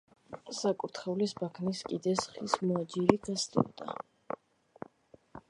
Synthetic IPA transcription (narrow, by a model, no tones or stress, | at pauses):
sakʼuɾt̪ʰχɛulisbakʰniskʼid̪ɛsχismɔad͡ʒiɾiɡast̪ʼṵɾd̪a̰